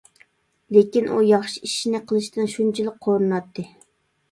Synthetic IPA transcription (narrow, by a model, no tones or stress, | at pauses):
lekʲinʔujɑχʃiiʃinɪqʰəlˠɨʃt̪ɨnʃunt͡ʃʰilˠɪk̚qʰoɾɨnɑt̪ʰːɨ